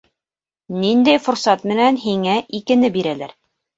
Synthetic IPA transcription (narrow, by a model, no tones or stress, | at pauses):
nind̪æjfʊ̆ɾsɑt̪mɘ̆nænɦiŋæʔikɘ̆nɘbiɾælæɾ